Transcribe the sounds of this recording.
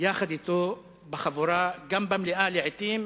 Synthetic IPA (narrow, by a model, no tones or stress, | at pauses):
jaːxad̪ɪt̪oː | baxavuɾˤɑːɡambamlɪʔaːliʕɪt̪iːm